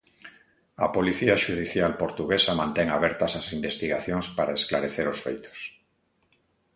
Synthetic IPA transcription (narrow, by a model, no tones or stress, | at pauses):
apoliθiaʃuð̞iθjalpoɾt̪uɣesamãnt̪eŋaβeɾt̪asasimbest̪iɣaθjoŋspaɾaesklaɾeθeɾosfḛjt̪o̥s